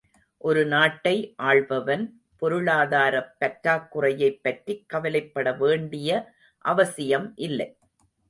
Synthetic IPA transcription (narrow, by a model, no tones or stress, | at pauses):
ʔɔɾɯnaːʈːɐɪʔaːɭʋɐʋɐn | pɔɾɯɭaːðaːɾɐpːɐʈɾaːkːɯrɐjɐɪpːɐʈrikːɐʋɐlɐɪpːɐɽɐʋeːɳɖɪjɐ | ʔɐʋɐsɪjɐmʔɪlːɐɪ